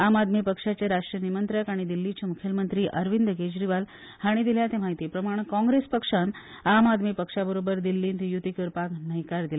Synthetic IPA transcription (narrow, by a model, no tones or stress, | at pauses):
amad̪miːpəkʂat͡ɕeɾaʂʈɾijənimənt̪ɾəkaɽ̃id̪ilːit͡ɕemukʰjəlmənt̪ɾiːʔəɾʋind̪ked͡ʑɾiʋal | haɽ̃id̪iljat̪emaɦit̪iːpɾəmaɽ̃kɔ̃ŋɡɾespəkʂan | amad̪miːpəkʂabəɾobəɾd̪ilːiːnt̪jut̪ikəɾpaknəjkaɾd̪ila